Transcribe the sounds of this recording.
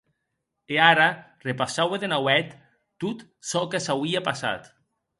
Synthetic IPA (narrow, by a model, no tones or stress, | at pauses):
eaɾarepasaweðenawɛt̪ː | ut̪ | sɔkesawiapasa̰t̪